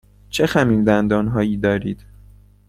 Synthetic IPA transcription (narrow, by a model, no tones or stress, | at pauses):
t͡ʃʰexæmiːld̪ænd̪ɒːnɦɒːjiːd̪ɒːɾiːd̪̥